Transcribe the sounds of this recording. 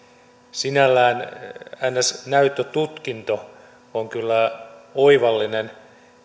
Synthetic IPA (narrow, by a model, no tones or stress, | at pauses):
sinælːæːnænːæsnæyt̪ːøt̪ut̪kint̪o | oŋkylːæoiʋɑlːinen